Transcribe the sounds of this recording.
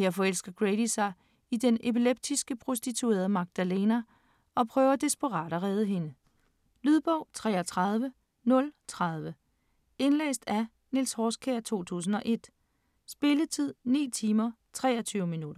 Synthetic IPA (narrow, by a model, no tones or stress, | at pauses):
heɐfɒ̽el̰sɡ̥ɐɡ̥ʁeɾ̥isɑ̈ɪ | idenepileb̥̚d̥isɡ̥əpʰʁo̝sd̥it͡sʰue̝̰ːɐð̞ˠmɑ̈ɡ̥̚d̥æle̝ːnæ | ɒ̽pʰʁœːʊɐd̥esb̥əʁɑ̈ːɾ̥ɐʁɛð̞ˠəɦe̝nə | lyðˠb̥ɒʊ̰t͡sʰʁɛ̰ːɒt͡sʰʁɑ̈ð̞ˠʋə | nɔ̽lt͡sʰʁɑ̈ð̞ˠʋə | e̝nlɛ̰ːsd̥æ | nilshɒːskʰeɐt͡sʰo̝̰ːt͡sʰṵːs̬n̩ɒ̽ʔe̝d̥ | sb̥e̝lət͡sʰið̞̰ˠnḭːt͡sʰiːmɐ | t͡sʰʁɛ̰ːɒt͡sʰyːʊminud̥ɐ